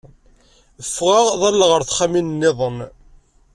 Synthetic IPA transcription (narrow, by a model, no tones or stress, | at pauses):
əfːʁaʁðˤɑlːʁəɾθχaminnːɪðˤən